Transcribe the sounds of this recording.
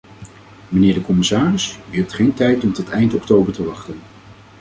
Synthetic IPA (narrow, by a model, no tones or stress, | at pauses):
mənɪːɹdəkɔmɪsaːrɪsyɦɛp̚tχejntɛjtɔmtɔtɛjntɔktowbəɹtəʋɑχtən